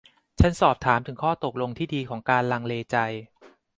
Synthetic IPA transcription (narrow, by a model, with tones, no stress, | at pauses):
t͡ɕʰa˦˥nsɔː˨˩p̚t̪ʰaː˩˦mt̪ʰɯ˨˩˦kʰɔː˥˩t̪o˨˩k̚lo˧ŋt̪ʰiː˥˩diː˧kʰɔː˩˦ŋkaː˧nla˧ŋleː˧t͡ɕa˧j